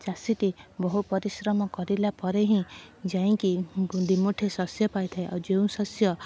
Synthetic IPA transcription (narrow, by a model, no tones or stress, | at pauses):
t͡ʃasiʈibɔɦupɔɾisɾɔmɔkɔɾilapɔɾeɦĩd͡ʒaĩkid̪imuʈʰesɔsjɔpajt̪ʰaeʔawd͡ʒeũsɔsjɔ